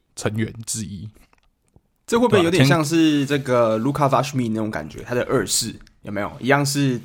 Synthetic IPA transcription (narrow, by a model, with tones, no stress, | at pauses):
t͡sʰə˧˦ŋɥɛ˨˦nt͡sɻ̩˥˧i˥ | ʈ͡ʂɤ˥˩˧əxwo˥˧pjnjo˧˥jɕjɑ˥˧ŋʂ̬ɻ̩˥˧ʈ͡ʂɤ˥˩ɡə˨˩lu˥kʰa˥˧˩fa˥ʂmi˥˧na˥˩ʈ͡ʂʊ˧˦ŋka̰˨˩nt͡ɕɥɛ̰˧˦t̪ʰa˥d̪ə˨ʔə˥˧sɻ̩˥˩jo˨˩me˧˥˦jo˨˩ʔi˧˥jɑ˥˧ŋʂɻ̩˥˩